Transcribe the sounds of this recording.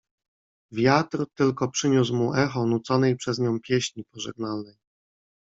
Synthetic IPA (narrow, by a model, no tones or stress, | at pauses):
vʲjat̪ɾt̪ɘlkɔpʂɘɲus̬wmuʔɛxɔnut̪sɔnɛjpʂɛzɲɔ̃w̃pʲjeɕɲipɔʐɛ̰ɡnalnɛj